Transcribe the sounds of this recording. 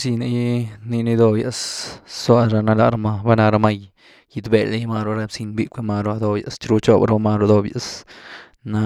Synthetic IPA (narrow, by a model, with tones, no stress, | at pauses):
si˧na˧˦jni˧ni˧˦d̪o˧ja˧sswa˧ɾa˧na˧la˧ɾa˧ma˧ba˦na˧ɾa˧ma˧j | i˧d̪be˧˨le˦jma˧ɾo˧ɾa˧bsi˧nbi˦kʷe˧ma˧ɾo˧a˧d̪o˧ja̰˨st͡ʃɾu˧t͡ʃo˦bɾo˧ma˧ɾo˧d̪o˧bja˨s | na˧